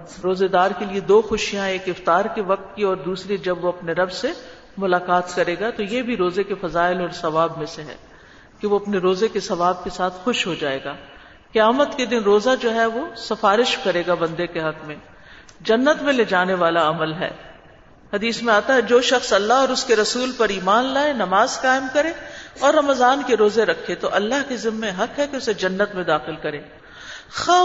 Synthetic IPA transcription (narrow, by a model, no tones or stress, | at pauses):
ɾoːzed̪aːɾkelied̪oːxʊʃijãeːkɪft̪aːɾkeʋɐq̚t̪̚kiɔːɾd̪uːsɾid͡ʒɐbʋoɐpneɾɐbse | mʊlaːkaːt̪kɐɾeːɡat̪ojebʱiɾoːzekefɐzaːɪlɔːɾsɐʋaːbmẽseɦɛ̰̃ː | keʋoɐpneɾoːzekesɐʋaːb̚kesaːt̪ʰxʊʃɦod͡ʒaːḛːɡaː | keaːmət̪ked̪ɪnɾoːzad͡ʒoːɦɛʋosɐfaːɾɪʃkɐɾeːɡabɐ̃nd̪ekeɦɐkmẽ | d͡ʒɐnːət̪mẽleːd͡ʒaːneʋaːlaɐməlɦɛ̰ː | hɐd̪iːsmẽaːt̪aɦɛd͡ʒoːʃɐxsɐlːaɦɔːɾʊskeɾɐsuːlpɐɾiːmaːnlaːenɐmaːzkaːɪmkɐɾẽɔːɾːɐməzaːnkeɾoːzeɾɐkʰːet̪oʔɐlːaɦkezɪmːẽɦɐkɦɛkeʊsed͡ʒɐnːət̪mẽd̪aːxɪlkɐɾẽː | xaː